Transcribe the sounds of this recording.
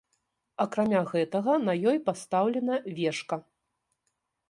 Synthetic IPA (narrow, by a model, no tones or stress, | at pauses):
ɐkɾamʲaɣɛt̪ɐɣɐnɐjɔjpast̪awlʲɛnɐvʲɛʂkɐ